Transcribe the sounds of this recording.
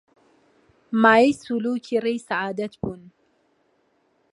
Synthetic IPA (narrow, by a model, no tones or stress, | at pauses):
maisuluːkʰiɾijsaʕaːd̪at̪bʊn